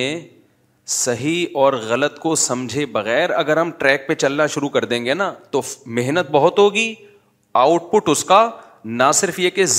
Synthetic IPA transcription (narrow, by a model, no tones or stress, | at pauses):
ẽ | sɐɦiɔːɾɣɐlət̪kosɐ̃md͡ʒʱebɐɣɛːɾɐɡəɾɦɐmʈɾɛːk̚pet͡ʃɐlnaʃʊɾukɐɾd̪ẽːŋɡenat̪omɪɦnət̪̚bɐɦʊt̪ɦoːɡiː | aːʊʈpʊʈʊska | nasɪɾfjekez